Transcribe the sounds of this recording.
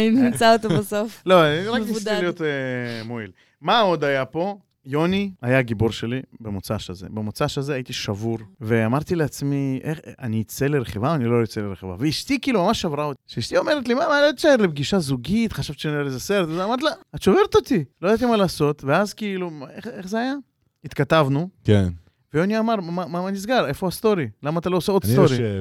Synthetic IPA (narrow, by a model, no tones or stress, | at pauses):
ninimt͡saot̪obesoflo̞aʁakislijot̪emoil | maod̪ajapo̞ | jo̞niajaɡiboɾʃe̞libemot͡saʃaze̞̰bemot͡saʃazeait̪iʃavuʁveamaʁt̪ileat͡smiʔeχa̰niːt͡seleɾeχevaniloit͡seleɾeχeva̰veiʃt̪ikiːlumamaʃavʁaot̪iʃeiʃt̪io̞me̞ʁet̪limamaaat̪ʃaeʁlebɡiʃazuɡit̪χaʃavi̥ʃenilezaseɾet̪azeamaʁt̪laat̪ʃo̞ve̞ʁet̪o̞t̪ilojad̪at̪̬imalaːso̞t̪veazkiːlumaeχeχzeaja | it̪kat̪avnuken | veoniaːmaʁmamamamanis̬ɡale̞foast̪o̞ɾilamaːt̪alo̞oseod̪sst̪oɾi